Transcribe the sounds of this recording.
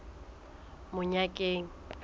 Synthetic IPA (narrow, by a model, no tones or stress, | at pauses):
mʊɲakʼeŋ̩